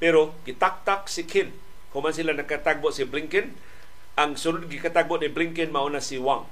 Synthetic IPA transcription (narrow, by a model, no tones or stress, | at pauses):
peɾoɡit̪ak̚t̪ak̚sikʰɪn | hʊmansilanakat̪aɡ̚boʔsibliŋkɪn | aŋsʊɾʊd̪̚ɡikat̪aɡ̚bʊʔnibliŋkɪnmaonasiwaŋ